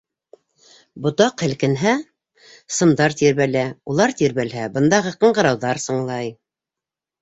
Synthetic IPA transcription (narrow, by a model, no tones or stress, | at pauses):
bŏt̪ɑqhɘ̆lkɘ̆nɦæ | sɤ̆md̪ɑɾt̪iɾβælæulˠɑɾt̪iɾβælɦæbɤ̆nd̪ɑʁɤqɤ̆ɴɢɤ̆ɾɑwðɑɾsɤ̆ɴlˠɑj